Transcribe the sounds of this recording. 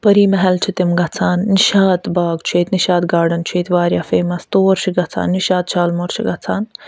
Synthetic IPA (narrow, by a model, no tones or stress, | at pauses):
pɐɾiːmɐɦɛlt͡ʃʰit̪imɡɐt͡sʰaːnːiʃaːt̪baːɡt͡ʃʰueːt̪niʃaːt̪ɡaːɖɐnt͡ʃʰweːt̪ʋaːɾjaːfeːmɐst̪oːɾʃʰiɡɐt͡sʰa̰ːnːiʃaːt̪̚t͡ʃʰaːlmoɾʃʰiɡɐt͡sʰaːn